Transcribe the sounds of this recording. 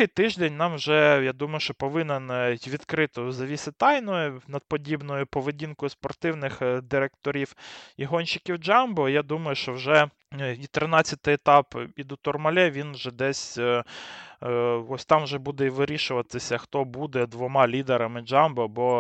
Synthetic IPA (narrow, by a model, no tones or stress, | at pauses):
ɪjt̪ɪʒd̪enʲnɑmwʒɛjad̪umɐjʊʃt͡ʃɔpɔʋɪnɛnʋʲid̪kɾɪt̪ɔzɐʋʲisʲɪt̪ɑjnɔjʊnɐd̪̚pɔdʲibnɔjʊpɔʋedʲinkɔjʊspɔrt̪ɪwnɪxd̪ɪɾek̚t̪ɔɾʲiwiɦɔnʲt͡ʃɪkʲiwd͡ʒɑmbɔjad̪umɐjʊʃt͡ʃɔwʒɛ | it̪ɾɪnɑt͡sʲːɐt̪ɪet̪ɑpid̪ʊt̪ɔrmɐlʲɛʋʲinwʒɛd̪ɛsʲ | ɔsʲt̪ɑmwʒɛbud̪ɛiʋɪɾʲiʃʊʋɐt̪ɪsʲɐxt̪ɔbud̪ɛd̪ʋɔmɑlʲid̪eɾɐmɪd͡ʒɑmbɔbɔ